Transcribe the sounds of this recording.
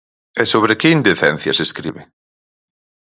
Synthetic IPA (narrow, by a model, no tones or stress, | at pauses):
ɛsoβɾekɪind̪eθɛn̟θjɐ̰seskɾḭβɪ